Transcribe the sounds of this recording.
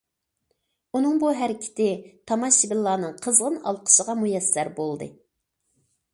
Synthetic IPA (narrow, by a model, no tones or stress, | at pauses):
unɨŋbuɦæɾɪkʲʰɪ̥t̪ʰɪt̪ʰɑmɑʃibɪlˠːɑːnɨŋqʰəzʁənɑ̰lˠqʰə̥ʃəʁɑmujɛsːæɾbolˠd̪ɨ̰